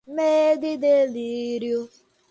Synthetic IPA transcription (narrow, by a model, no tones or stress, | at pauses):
meːdɪdeliɾjo